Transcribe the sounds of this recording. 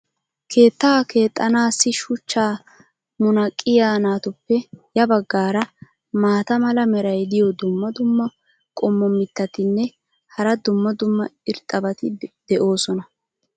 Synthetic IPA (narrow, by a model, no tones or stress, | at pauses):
kʰe̞ːt̪ːaːke̞ːt̪ʼːɐnaːsːɪʃʊt͡ʃːaː | mʊnɐkʼːɪjaːnaːt̪ʊpːɛjɐbɐɡːaːɾɐ | maːt̪ɐmɐlɐmɛɾɐjd̪ɪjɔd̪ʊmːɐd̪ʊmːɐ | kʼɔmːɔmːɪt̪ːɐt̪ɪnːɛ | hɐɾɐd̪ʊmːɐd̪ʊmːɐɪɾt̪ʼːɐbɐt̪ɪd̪̥ɛʔo̞ːsɔnɐ